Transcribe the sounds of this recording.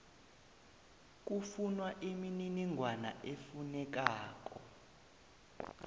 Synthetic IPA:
k̬ʼufunwaʔimininiŋʱwana̰ʔefunɛk̬aːk̬ɔ

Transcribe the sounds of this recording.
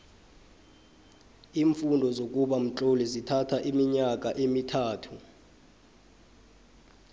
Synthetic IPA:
iːɱfundʱɔzok̬ʼuɓam̩t͡ɬʼolizitʰatʰaʔimiɲak̬ʼaʔemitʰaːtʰu

